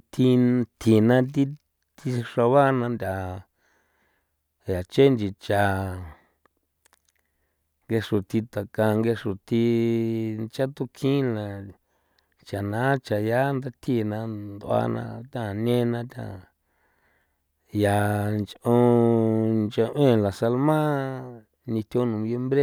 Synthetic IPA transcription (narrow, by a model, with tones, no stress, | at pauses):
t̪ʰi˧t̪ʰi˧˨nã˧t̪̬i˦ | t̪i˧ʂa˧βa˦nã˧nd̪ʲa˨ | ja˨t͡ʃe˦nd͡ʒi˧t͡ʃa˨ | ŋɡe˧ʂu˨t̪i˧t̪a˨ka˧ŋɡe˧ʂu˨t̪i˧ | nt͡ʃa˦t̪u˦kʰĩ˦lã˨ | t͡ʃa˨nã˨˦t͡ʃa˨ja˦nd̪a˦t̪ʰi˦˨nã˧nd̪o˧a̰˧˦nã̰˧t̪ʲã˦˨nẽ˦nã˧t̪ʲã̰˦ | ja˨nt͡ʃõ˧ | nt͡ʃa˧ʔẽ˦˨la˨sa˧lmã˦ | nĩ˧t̪ʲo˧˦nũ˨βje˦mbɾe˦